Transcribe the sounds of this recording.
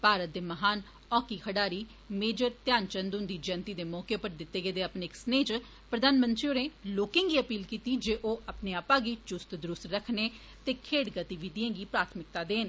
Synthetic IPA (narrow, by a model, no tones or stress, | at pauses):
paːɾət̪̚d̪eːməɦaːn | ɔːkiːkʰəɖaːɾiː | meːd͡ʒəɾt̪jaːnt͡ʃənd̪ʊ̃nd̪iːd͡ʒənt̪iːd̪eːmɔːkeːpəɾd̪ɪt̪ːeːɡeːd̪eːaːpneːɪksneːt͡ʃ | pɾəd̪aːnmənt̪ɾiːoːɾneːloːkẽːŋɡiːəpiːlkiːt̪iːd͡ʒeːʔoːʔapneːaːpãːɡiːt͡ʃʊst̪d̪ɾʊst̪ɾəkʰneː | t̪eːkʰeːɽɡət̪iːʋɪd̪ijãːɡiːpɾaːt̪ʰmɪk̚t̪aːd̪eːn